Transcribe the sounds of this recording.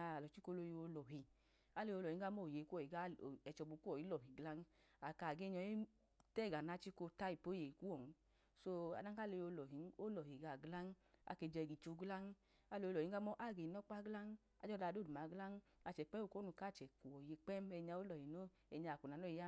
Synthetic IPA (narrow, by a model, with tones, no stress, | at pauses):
ɔ˨t͡ʃi˦ko˧˦lo˧jo˧lɔ˨ɦi˧ | a˦le˧jo˧lɔ˨i˨˦ɡa˦mɔ˦˨je˨˧ku˦ɔ˨i˨ɡa˦˨ɛ˨t͡ʃɔ˧bu˧ku˦ɔ˨ji˨˦lɔ˨ɦi˨ɡla˦n˦ | a˨ka˨ɡe˦ɲɔ˧je˦ | tɛ˦˨ɡa˨na˧˦t͡ʃi˦ko˧ta˦i˨po˨˦je˨i˨ku˦wɔ˨n˦ | so˧a̰˨da˦a˦˨le˧o˧lɔ˨ɦi˨˦n˦o˦lɔ˨ɦi˨ɡa˨ɡla˦n˦a̰˧˦˨ke˧˨d͡ʒɛ˧˨ɡi˨t͡ʃo˧˦ɡla˦ŋ˦ | a˨˦lo˧o˧lɔ˨i˨˦a˦mɔ˦ʔa˦˨ɡe˨nɔ˦k͡pa˦ɡla˦n˦ | a̰˧˦d͡ʒɔ˦da˧˨do˦˨u˨ma˨˦ɡla˦ŋ˦a˧˨t͡ʃɛ˨k͡pɛ˦u˦˨ko˦nu˧ka˦˨t͡ʃɛ˨ku˨ɔ˨je˧k͡pɛ˦m˦ɛ˧ɲa˧o˦lɔ˨hi˨no˦ | ɛ˧ɲa˧˨ku˨na˨nɔ˦i˧˦a˦